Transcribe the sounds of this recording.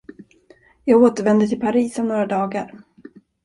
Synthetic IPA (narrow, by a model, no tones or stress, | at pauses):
jɑːɡoːt̪əɾvɛnd̪ət̪ʰɪlpʰaɾiːsɔmnoːɾad̪ɑːɡaɾ